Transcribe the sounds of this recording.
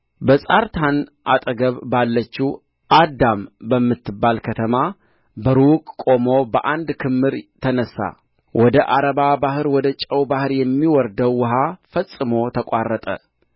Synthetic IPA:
bəsʼaɾt̪ʰanʔa̰t̪ʼəɡəβbalːət͡ʃːu | ʔad̪ambəmːɨt̪ʰːɨbːalkʰət̪ʰəma | bəɾukʼkʼo̞mo̞bəʔand̪kʰɨmːɨɾt̪ʰənəsːa̰ | wʔɔd̪əʔaɾəβabahɨɾwɔd̪ət͡ʃʼəwbahɨɾjɛmːiwɔɾd̪əwːʊɦafəsʼːɨmo̞t̪ʰəkʷʼarːət̪ʼə̰

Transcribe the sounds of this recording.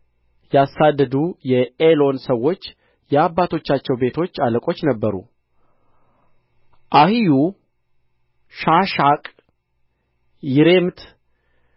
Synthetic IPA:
jasːad̪ːəd̪ujɛelo̞nsəwːo̞t͡ʃː | jɛabːat̪ʰo̞t͡ʃːat͡ʃːɛwbe̞t̪ʰo̞t͡ʃːaləkʼo̞t͡ʃːnəbːəɾṵ | ʔahiju | ʃaʃakʼ | jɪɾe̞mt̪

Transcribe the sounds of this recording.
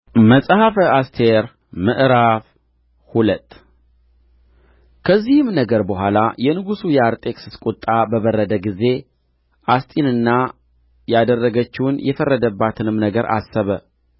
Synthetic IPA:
məsʼhafəast̪ʰeɾ | mɨʔɾaf | hulət̪ʼː | kʰəzːihɨmnəɡəɾbəhʷalajɛnɨɡusujɛaɾt̪ʼe̞kʼsɨ̥skʼot̪ʼːabəβərːəd̪əɡize̞ | ʔast̪ʼinɨnːa | jad̪ərːəɡət͡ʃːɪwnjɛfərːəd̪əbːat̪ʰɨnɨmnəɡəɾʔa̰sːəβə

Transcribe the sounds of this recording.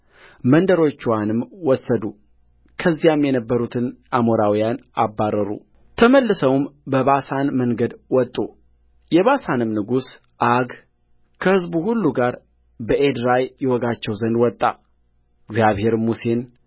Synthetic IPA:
mənd̪əɾo̞t͡ʃːuwanɨmwɔsːəd̪u | kʰəzːijamjɛnəbːəɾut̪ʰɨnʔamoɾawijanʔabːarəɾṵ | t̪ʰəməlːɨsəwmbəβasanməŋɡəd̪wɔt̪ʼːu | jɛβasanɨmnɨɡus | ʔaɡ | kʰəhɨzbuhulːuɡaɾ | bəʔed̪ɾajjɛwɔɡat͡ʃːɛwzənd̪wɔt̪ʼːa̰ | ɨɡzjaβhe̞ɾmuse̞n

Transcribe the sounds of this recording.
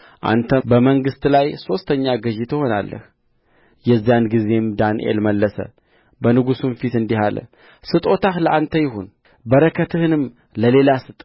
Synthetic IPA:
ʔa̰nt̪ʰəbəməŋɡɨst̪lajso̞st̪ʰəɲːaɡəʒit̪ho̞na̰lːə̰h | jɛzːijanɡize̞md̪anʔḛlməlːəsə̰ | bənɨɡusunfit̪ɨnd̪ihalə̰ | sɨt̪ʼo̞t̪ahləʔant̪ʰəjɪhun | bəɾəkʰət̪ʰɨhɨnɨm | ləle̞lasɨt̪ʼ

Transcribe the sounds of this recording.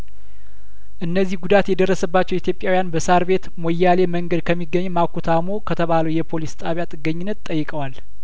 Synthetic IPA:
ʔɨnːəzːihɡud̪at̪jɛd̪ərːəsəbːat͡ʃːɛwit̪jo̞pʼjawijanbəsaɾβe̞t̪mojːale̞məŋɡəd̪kʰəmːiɡːəɲːmakʰut̪ʰamokʰət̪ʰəβaləwjɛpʰo̞list̪ʼaβjat̪ʼɨɡːəɲːɪnːət̪t̪ʼːəjːɨkʼəwal

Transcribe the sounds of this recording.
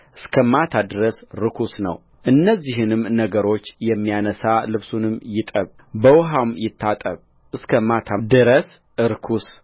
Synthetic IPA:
ʔɨskʰəmat̪ʰad̪ɨɾəsɾɨkʰusnə̰w | ʔɨnːəzːiɦɨnɨmnəɡəɾo̞t͡ʃːjɛmːijanəsalɨβsunɨmjɪt̪ʼəβ | bəwɦawmjɪt̪ʰːat̪ʼəβ | ʔɨskʰəmat̪ʰad̪ɨɾəs | ʔɨɾkʰus

